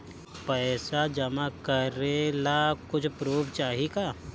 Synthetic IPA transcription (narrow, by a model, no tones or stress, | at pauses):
pɛːsad͡ʒɐmakɐɾelakʊt͡ʃʰpɾoːbt͡ʃaːɦikaː